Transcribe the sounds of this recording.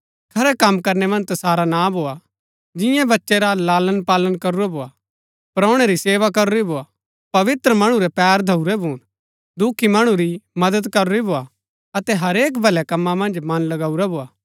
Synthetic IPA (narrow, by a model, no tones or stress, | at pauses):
kʰɐɾɛkɐmkɐɾnɛmɐ̃nd͡ʒt̪ɐsaːɾanabʱoːa | d͡ʒɪ̃jãbɐtːʃeɾalaːlənpaːlənkɐɾuɾɛbʱoːa | pɐɾɔ̃ːɽ̃eɾiseːʋakɐɾʊɾibʱoːa | pɐʋɪt̪ɾəmɐɽ̃ũɾɛpɛːɾd̪ʱɐuɾɛbʱuːn | d̪ukʰːimɐɽ̃ũɾimɐd̪əd̪kɐɾʊɾibʱoːa | ɐt̪ɛɦɐɾeːk̬bʱɐlɛkɐmːãmɐ̃nd͡ʒmɐnlɐɡaːuɾɛboːaː